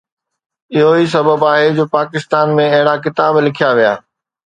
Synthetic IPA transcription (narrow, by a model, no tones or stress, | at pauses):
ɪɦoɦis̬ɐbəbaːɦed͡ʑoːpaːkɪst̪aːnmẽɐɦɪɽakɪt̪aːblɪkʰijaʋija̰ː